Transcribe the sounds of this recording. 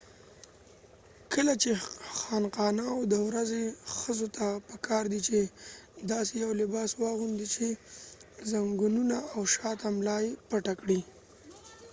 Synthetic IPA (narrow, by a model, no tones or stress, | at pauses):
kəlat͡ʃexɑnqɑnawd̪əwɾazexəzot̪ʰapəkʰɑɾd̪it͡ʃed̪ɑsejawlɪbɑswɑɣund̪it͡ʃe | zaŋɡununaːwʃɑt̪amlɑjepaʈakɽi